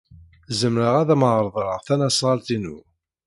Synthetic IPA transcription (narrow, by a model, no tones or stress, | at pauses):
zəmɾəʁæðæməʕɾˤðˤɾəʁθænæsˤʁɑlt̪inṵ